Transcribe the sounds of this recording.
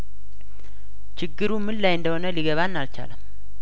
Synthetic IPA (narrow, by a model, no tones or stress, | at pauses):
t͡ʃɪɡːɨɾumɨllajɨnd̪əho̞nəliɡəβanːalt͡ʃa̰ləm